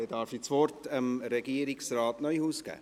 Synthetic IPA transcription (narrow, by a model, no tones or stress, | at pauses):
edɑɾfisvɔrtəmɾɛɡ̥iːəɾɪksrɑːtnœjhuːsɡ̥æ̰ː